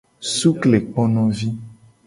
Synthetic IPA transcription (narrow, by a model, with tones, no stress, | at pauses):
su˦kle˨k͡pɔ˦nɔ̃˦vi˦